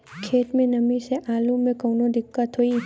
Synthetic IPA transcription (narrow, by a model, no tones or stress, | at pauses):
kʰeːʈ̪mẽnɐmĩseʔaːlumẽkɔːnod̪ɪkːət̪ɦoiː